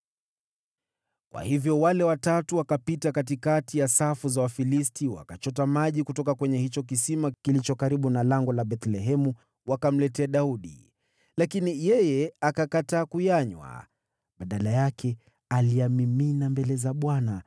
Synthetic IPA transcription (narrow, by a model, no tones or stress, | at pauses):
kwa̰hivjɔwalɛwatatuwakapitakat̬ikatijasafuzawafilistiwa̰kat͡ʃɔt̬amaʄikutɔkakwɛɲɛhit͡ʃɔk̬isimakilit͡ʃɔkaɾiɓunalaŋɡɔlaɓɛt̪lɛɦɛmu | wakam̩lɛtɛaɗauɗḭ | lakinijɛjɛakakataːkujaɲwa̰ | ɓaɗalajakʰɛ | aliamiminambɛlɛzaɓwana